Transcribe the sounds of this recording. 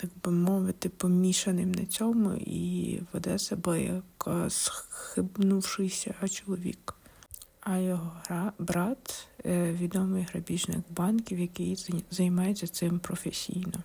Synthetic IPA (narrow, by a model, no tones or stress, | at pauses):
t̪ɑɡbɪmɔʋɪt̪ɪpɔmʲiʃɐnɪmnɐ̰t͡sʲɔmʊ̰ḭʋɔd̪ɛsɛbɔjɐ̰ksxɪbnuwʃɪjsʲɐt͡ʃɔlˠɔʋʲḭk | ɐjɔɦɔbɾɑt̪ʋʲid̪ɔmɪjɦɾɐbʲiʒnɪ̰ɡbɑnkʲiwjɐkɪjzɐjmɑjet͡sʲːɐt̪sɪmpɾɔfesʲḭjnɔ